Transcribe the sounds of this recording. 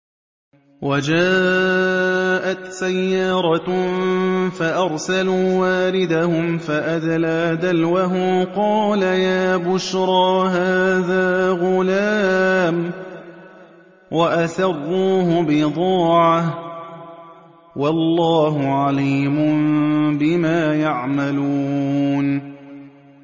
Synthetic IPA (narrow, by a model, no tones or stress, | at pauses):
wad͡ʒaː | ʔat̪sajːɑːɾˤɑ | faʔɑɾˤsaluːwaːlɪd̪ahʊmfaʔaðalad̪alwaɦʊmqɑːlajaːbʊʃɾˤɑːɦaːðaːɣʊlaːm | waʔasɑrˤːuːhʊbɪd̪ˤɑːʕah | wɑlːɑːɦʊʕaliːmʊmbɪmaːjaʕmaluːn